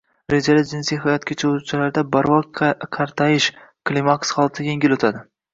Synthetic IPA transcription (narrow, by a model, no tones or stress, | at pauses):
ɾe̞d͡ʒalɪd͡ʒɪnsijɦajɒt̪̚kʲat͡ʃʰaout͡ʃʰalaɾd̪abaɾvɒkʰɑɾt̪ʰajɪʃkʰlʲimaksχɒlˠt̪ʰɪje̞ŋɡʲɪlot̪ʰad̪ɪ